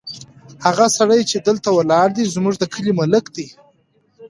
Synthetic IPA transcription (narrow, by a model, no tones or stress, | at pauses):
haɣasaɽəjt͡ʃed̪əlt̪awəlɑɾd̪izmuʐd̪əkʰəlimaləkd̪i